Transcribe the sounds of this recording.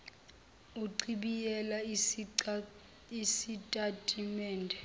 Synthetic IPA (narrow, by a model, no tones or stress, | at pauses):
uǀiɓijɛla | isitʼatʼimɛːndʱɛ